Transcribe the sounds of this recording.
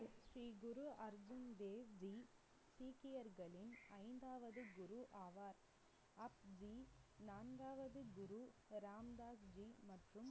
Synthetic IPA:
ʃɾiːɡʊɾuɐɾd͡ʒʊnd̪eːʋd͡ʒi | siːkɪjɐɾɣɐɭɪnɐɪnd̪aːʋɐðɯɡʊɾuʔaːʋaːɾ | ɐp̚d͡ʒinaːnɡaːʋɐðɯɡʊɾuɾaːmd̪aːsd͡ʒiːmɐʈrɯm

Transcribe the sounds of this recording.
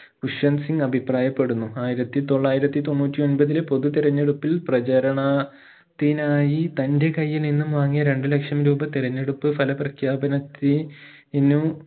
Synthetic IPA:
kuʂɐnsiŋɡɐbʱipraːjɐpːe̞ɽunːuaːjiɾɐt̪ːit̪o̞ɭːaːjiɾɐt̪ːit̪o̞nːuːtʲːio̞nbɐðilepo̞ðut̪iɾɐɲːeɽupːilprɐt͡ɕɐɾɐɳɐ | t̪ːinaːjit̪ɐnde̞kɐjːilninːumʋaːŋːijɐɾe̞ɳɖɨle̞kʂɐmɾuːbɐt̪iɾɐɲːeɽupːɨfɐlɐprɐkʰjaːbɐnɐt̪ːiinu

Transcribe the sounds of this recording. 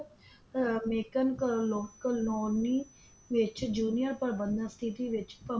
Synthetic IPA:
meːkənkəloːkəlnɔːni | ʋɪt͡ʃd͡ʒuːnijəɾpəɾbə̃nd̪ãst̪ʰit̪iːʋɪt͡ʃpə

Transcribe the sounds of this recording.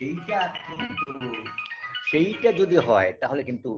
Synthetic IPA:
ejʈakint̪u | ʃejʈad͡ʑod̪iɦɔet̪aɦolekint̪u

